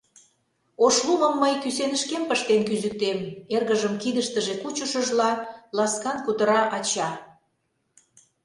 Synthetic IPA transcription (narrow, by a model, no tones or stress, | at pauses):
oʃluməmːəjkysenəʃkempəʃt̪enkyzyk̚t̪emerɣəʒəmkid̪əʃt̪əʒekut͡ɕəʃəʒlɑlɑskɑnkut̪ə̆ɾɑʔɑt͡ɕɑ